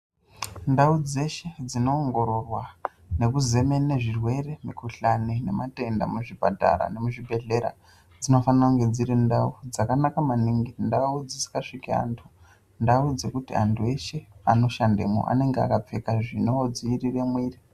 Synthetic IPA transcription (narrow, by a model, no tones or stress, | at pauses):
ndaud͡ze̞ʃe̞d͡zino̞ːŋɡo̞ɾo̞rwa | ne̞kuze̞me̞ne̞ʐirwe̞re̞mikuɬanene̞̰mate̞nda̰muʐibʱa̰dʱa̰ɾa̰ne̞muʐibʱe̞ɮe̞ɾa̰ | d͡zino̞fanauŋɡe̞d͡ziɾindaud͡zakanakamaniŋɡindaud͡zisi̥kaʂikia̰ntʰu | ndaud͡ze̞kutia̰ntʰue̞ʃe̞ano̞ʃandemo̰ʔa̰ne̞ŋɡea̰kap͡fekaʐino̞d͡ziːrire̞mwiːri